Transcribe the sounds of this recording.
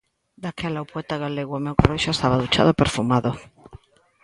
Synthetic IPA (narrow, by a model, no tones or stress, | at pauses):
d̪akelawpwet̪aɣaleɣwamewkareʃoest̪aβaðut͡ʃa̰ðopeɾfumaðo